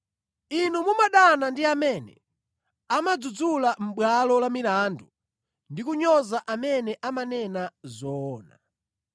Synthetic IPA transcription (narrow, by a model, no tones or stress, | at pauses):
inumumaɗanandiamɛnɛ̰ | amad͡zud͡zulam̩ɓwalɔlamilandu | ndikuɲɔzaʔamɛnɛʔamanɛnazɔːna̰